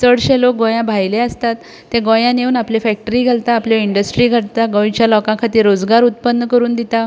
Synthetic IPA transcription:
səɽɕelok̚ɡɔ̃jãbʱajleəst̪at̪ː | ẽɡõjãneuːnaplefɛk̚ʈəɾiːɡʱalt̪aːpljiɳɖəsʈɾiɡʱəɽt̪aɡɔ̃jit͡ɕjalɔkãkʰat̪iːɾod͡zɡaɾut̪̚pənːəkəɾuːnd̪it̪a

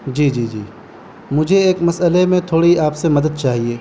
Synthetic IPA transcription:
d͡ʒiːd͡ʒiːd͡ʒiː | mʊd͡ʒʱeeːkmɐsəlemẽt̪ʰoːɽiaːpsemɐd̪əd̪̚t͡ʃaːɦieː

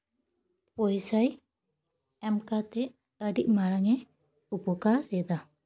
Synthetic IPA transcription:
pɔjsaj | ɛmkat̪ɛ | əɖiʔmaɽaŋɛ | upɔkaɾːɛd̪a

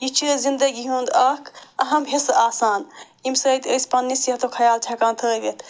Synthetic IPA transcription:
jit͡ʃʰizind̪ɐɡiɦũːnd̪ɐːkʰɐɦɐmɦisaːsaːn | imsɐːit̪əjspɐnːisɐt̪okʰɐjaːlt͡ʃʰɐkãːnt̪ʰəːʋet̪

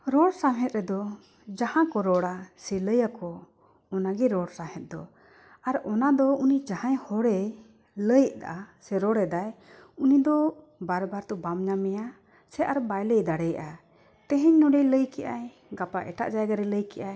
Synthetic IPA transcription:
ɾɔɽsamɦɛt̪̚ɾɛd̪ɔ | d͡ʒahãkɔɾɔɽasɛləjakɔː | naɡɛɾɔɽsamhɛt̪̚d̪ɔ | aɾɔnad̪ɔunid͡ʒahãjhɔɽɛ | ləjʔd̪a̰ʔasɛɾɔɽɛd̪ajunid̪ɔ | baɾbaɾt̪ɔbamɲamɛja | sɛʔaɾbajləjd̪aɽɛja̰ʔa | t̪ɛ̃ɦɛɲnɔɖɛjləjkɛʔaj | ɡapaʔɛ̰ʈa̰ʔd͡ʒajɡaɾɛləjkɛʔaj

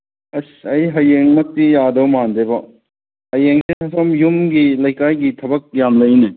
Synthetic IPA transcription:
ɐsɐjɦɐjeŋmɐk̚tijadɐwmandebɐ | hɐjeŋsenɐsomjumɡilɐjkajɡitʰɐbɐk̚jamlɐjne

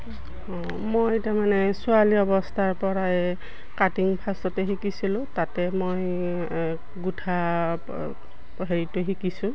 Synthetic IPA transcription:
mojtamanɛsʊaliɔbɔstʰaɹpɔɹaɛ | katiŋpʰastɔtɛɦikisilʊ̃tatɛmoj | ɡutʰa | ɦeɹitʊɦikisʊ̃

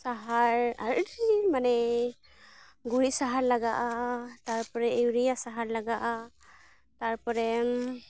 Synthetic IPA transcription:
saɦaɹaɾɾimanɛ | ɡuɾisaɦaɹlaɡaʔat̪aɹpɔɾɛiwɾijasaɦaɹlaɡaʔa | t̪aɹpɔɾɛm

